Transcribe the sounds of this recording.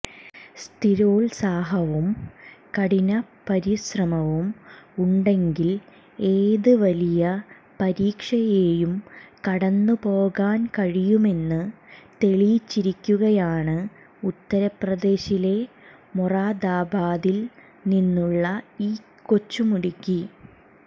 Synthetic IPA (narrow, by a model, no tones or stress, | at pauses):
st̪ʰiɾoːlsaːɦɐʋumkɐɽinɐpɐɾiɕrɐmɐʋumuɳɖe̞ŋɡil | eːðɨʋɐlijɐ | pɐɾiːkʂɐje̞ːjumkɐɽɐnːɨpo̞ːɣaːnkɐɻijume̞nːɨt̪e̞ɭijt͡ɕːiɾikʲːuɣɐjaːɳɨ | ut̪ːɐɾɐprɐd̪e̞ːɕile̞ | muraːd̪aːbaːðil | ninːuɭːɐiː | ko̞t͡ɕːumuɽikʲːi